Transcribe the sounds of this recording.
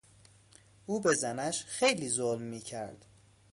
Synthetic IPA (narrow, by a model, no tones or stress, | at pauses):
ʔuːbezænæʃxejliːzolmːiːcʰæɾd̪̥